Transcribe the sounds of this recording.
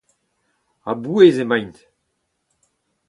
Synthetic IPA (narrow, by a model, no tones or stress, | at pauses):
abuezemãjnt̪